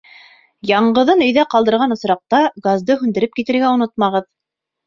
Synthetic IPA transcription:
jɑɴɢɤ̆ðɤnɵ̆jðæqɑlˠd̪ɤ̆ɾʁɑnŏsɾɑq̚t̪ɑɡazd̪ɤɦʉnd̪ɘ̆ɾɘp̚kit̪ɘ̆ɾɡæunot̪̚mɑʁɤð

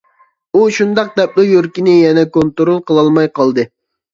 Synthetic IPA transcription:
uʃund̪ɑq̚d̪ɛp̚lujøɾkʲinɪjɛnɛkont̪ɾolˠqʰəlˠɑlˠmɑjqʰɑlˠd̪ɨ

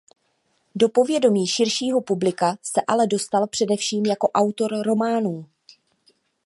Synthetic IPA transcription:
do̞po̞vjɛdo̞miːʃɪɾʃiːɦo̞publɪkasɛʔalɛdo̞st̪alpr̝̥ɛdɛfʃiːmjako̞ʔawt̪o̞ɾɾo̞maːnuː

